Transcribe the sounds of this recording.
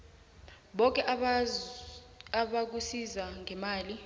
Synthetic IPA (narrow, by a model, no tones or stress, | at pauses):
ɓɔk̬ʼɛʔ | aɓak̬usizaŋʱɛmaːli